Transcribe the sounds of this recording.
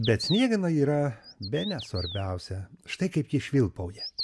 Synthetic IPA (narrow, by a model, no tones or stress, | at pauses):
bʲɛt̪sʲnʲiɛɡɐnɐiːɾɐbʲɛnʲɛsʋɐɾʲbʲɛʊsʲɛʃt̪ɐɪkɐɪpjiʃʲʋʲɪlˠpɐʊjɛ